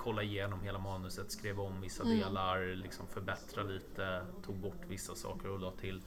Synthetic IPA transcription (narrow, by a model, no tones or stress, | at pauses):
kʰɔlːaɪjeːnɔmheːlamɑːnɵsət̪skɾeːvɔmvɪsːad̪eːlaɾlɪksɔ̰mfœɾbɛt̪ɾaliːt̪ət̪ʰuːɡ̚bɔʈːvɪsːasɑ̰ːkəɾɔlɑːt̪ʰɪl